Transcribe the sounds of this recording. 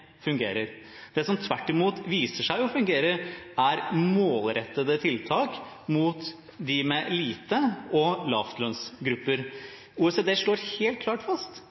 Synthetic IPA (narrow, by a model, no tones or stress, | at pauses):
fʉŋɡḛːɾəɾ | d̪ɛsɔmt̪ʰʋæʈːɪmuːt̪ʋiːsəʂæɪɔfʉŋɡeːɾəɾæɾmoːlɾɛt̪ːəd̪ət̪ʰɪlt̪ʰɑːk | muːt̪ | d̪ɪmɛliːt̪əɔlɑ̰ːft̪lœnsɡɾʉpːəɾ | uːɛseːd̪eːʂoːɾheːlt̪̚kʰlɑːʈfɑst̪